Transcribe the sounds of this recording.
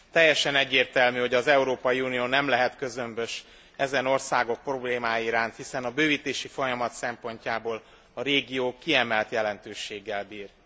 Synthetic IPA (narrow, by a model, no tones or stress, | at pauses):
t̪ɛjːɛʃɛnɛɟːeːrt̪ɛlmyho̞ɟɒzɛuɾoːpɒjiuːnijoːnɛmlɛɦɛt̪kø̞zømbøʃ | ɛzɛno̞rsaːɡo̞k̚pro̞bleːmaːjiɾaːnt̪hisɛnɒbøːviːt̪eːʃifo̞jɒmɒt̪sɛmpo̞ɲcaːboːl | ɒɾeːɡijoːkːiɛmɛlt̪jɛlɛnt̪øːʃeːɡːɛlbiːr